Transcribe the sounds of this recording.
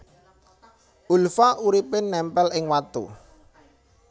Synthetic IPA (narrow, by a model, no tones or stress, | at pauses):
ʔulfaʔuɾipɪnːɛmpɛlɪŋwat̪ṵ